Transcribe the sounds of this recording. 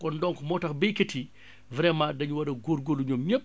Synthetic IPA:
kɔndɔŋkɔmɔːtɐxbejkɐti | vɾɛmadɐɲuwɐɾɐɡoɾɡoluɲomɲop̚ː

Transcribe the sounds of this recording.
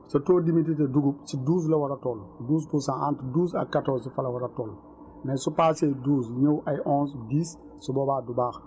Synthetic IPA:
sɐtoːdimit̬it̬eduɡub̚siduːs̬lɐwɐɾatɔːlduːs̬pusãʔantduːs̬ɐ̰kːatɔsufɐlɐwɐɾatɔːl | nɛsupaːseduːsɲowʔajʔɔ̃ːnsdiːs | subɔbaːdubaːx

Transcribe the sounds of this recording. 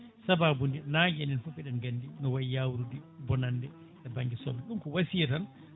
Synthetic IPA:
sababundinad͡ʒɛnɛnfɔpɛɗɛnɡandinɔwajjawɾudibɔnandɛ | ʔɛbaŋɡɛsɔ̰bɛɗumkɔwasijɛtan

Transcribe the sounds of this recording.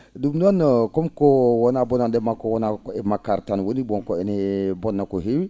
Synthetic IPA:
dumdankɔmkɔwɔnabɔnandɛmakɔwɔnakemakaɾtanwonibɔŋkɔenebɔnːakoɦewi

